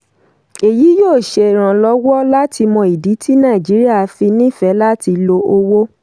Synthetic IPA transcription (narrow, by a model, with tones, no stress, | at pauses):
e˨ji˨˦joː˦˨ʃe˧˨ɾ̃ã˨lɔ˦wɔ˦la˦tʰi˧mɔ̃˧i˨di˨˦tʰi˦nã˦˨d͡ʒi˨˦ɾi˦a˦˨˦fi˧nĩ˦˨fɛ˨˦la˦ti˧lo˧o˧wo˦